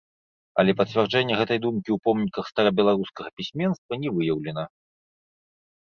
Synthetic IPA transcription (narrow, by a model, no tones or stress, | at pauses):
ɐ̰lʲɛpɐt̪t͡sʲvʲɛrd͡ʐɛnʲːɛɣɛt̪ɐjd̪umkʲiupɔmnʲikɐxst̪aɾabʲɛlˠaɾuskɐɣɐpʲisʲmʲɛnst̪vɐnʲɛvɨjɐwlʲɛnɐ